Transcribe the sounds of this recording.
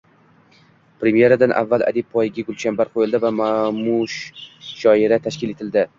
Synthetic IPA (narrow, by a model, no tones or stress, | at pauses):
pɾemje̞ɾad̪anʔa̰vːala̰d̪ib̚pʰɒjɪɡʲaɡʊlʃambaɾqʰojɪlˠd̪ɪvamamʊʃʃɒɪɾat̪ʰaʃkʲɪle̞t̪ʰɪld̪ɪ